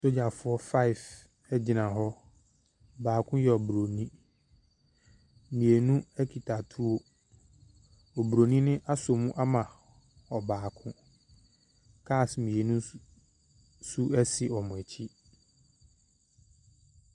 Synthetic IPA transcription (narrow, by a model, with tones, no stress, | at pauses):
so˦d͡ʑa˨fʊ˦ɔ˦fa˦i˨f | ɛ˦d͡ʑɪ˨nã˨ɦɔ˦ | baː˨kʰʊ̃˦jɛ˨ɔ˨bɾo˨nĩ˦ | mĩ˨e˨nũ˦æ˦kʰi˨tʰa˨tʰu˦o˦ | ɔ˨bɾo˨nĩ˦nɪ̃˦ʔa˦so˨mũ˦ʔa˦mã˨ | ɔ˨baː˨kʰʊ̃˦ | kʰa˦˨smĩ˨e˨nũ˦ | su˦ɛ˦sɪ˨ɔ˨mʊ̃˨æ˨t͡ɕʰi˦